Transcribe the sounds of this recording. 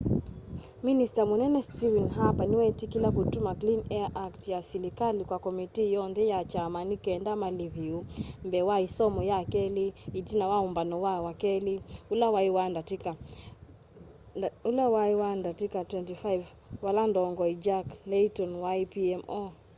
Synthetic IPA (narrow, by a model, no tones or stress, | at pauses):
ministamunɛnɛstivinɦapaniwɛtikilakutumaklinɛaʔaktjasilikalikwakɔmitijɔnðɛjat͡ʃamanikɛndamaliβiumbɛwaisɔmɔjakɛliitinawaumbanɔwawakɛliulawaiwandatika | ulawaiwandatikatwɛntifajv | walandɔŋɡɔid͡ʒaklɛitɔnwaipiɛmɔ